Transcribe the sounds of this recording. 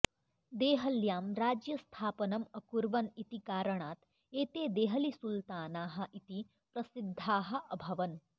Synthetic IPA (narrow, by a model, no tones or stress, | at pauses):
d̪eːɦɐljaːmɾaːd͡ʒjɐst̪ʰaːpɐnɐmɐkuɾʋɐnit̪ikaːɾɐɳaːt̪ | eːt̪eːd̪eːɦɐlisult̪aːnaːɦɐ̆ʔit̪i | pɾɐsid̪ʱːaːɦɐ̆ʔɐbʱɐʋɐn